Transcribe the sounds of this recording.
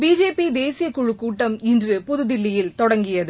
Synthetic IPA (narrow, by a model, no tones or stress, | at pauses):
biːd͡ʒeːpid̪eːsɪjɐkʊɻɯkːuːʈːɐmɪndrɯpʊðɯðɪlːɪjɪlt̪ɔɽɐŋɡɪjɐðɯ